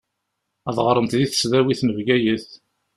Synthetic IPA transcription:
æðˤʁɾˤənt̪ðiθə̥sðæwiθnəvɡæjəθ

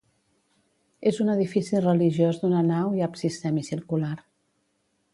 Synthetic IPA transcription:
ezunəðifisirəliʒjozd̪unənawiapsist̪ɛmisiɾkulaɾ

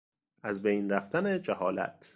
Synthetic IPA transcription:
ʔæzbejnræft̪æned͡ʒæhɒːlæ̰t̪ʰ

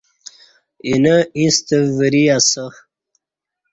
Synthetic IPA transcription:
inəist̪əvəɾiasə

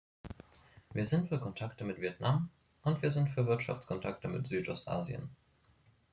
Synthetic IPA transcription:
viːɐzɪntfyːɐkʰɔntʰaktəmɪtv̥iɛtnam | ʔʊntv̥iːɐzɪntfyːɐvɪɐtʃa̰ft͡skʰɔntʰaktəmɪtz̥yːtʔɔstʔa̰ːzjə̰n

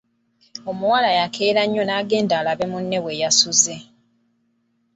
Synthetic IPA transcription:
o̞muwalajakeːɾaɲːo̞naɡe̞ːndaːlaβe̞munːe̞we̞jasuze̞

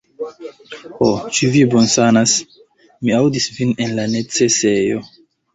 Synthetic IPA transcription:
ot͡ʃivibonsanas | miawdisvinenlanet͡sese̞jo̰

